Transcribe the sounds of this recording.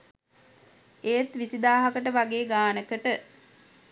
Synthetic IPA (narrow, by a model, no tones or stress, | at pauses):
eːt̪ʋisid̪aːɦɐkəʈəʋaɡeːɡaːnəkəʈə